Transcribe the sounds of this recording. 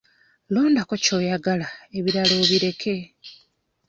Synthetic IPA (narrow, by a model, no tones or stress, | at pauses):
lo̞ːndako̞co̞ːjaɡalae̞βiɾalo̞ːβiɾe̞kʰe̞